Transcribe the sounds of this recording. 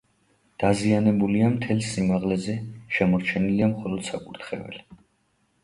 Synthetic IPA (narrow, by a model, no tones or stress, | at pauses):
d̪̥azianɛbuliamt̪ʰɛlsimaʁlɛzɛʃɛmɔɾt͡ʃʰɛniliamχɔlˠɔd̪̥sakʼuɾt̪ʰχɛ̰vɛ̰li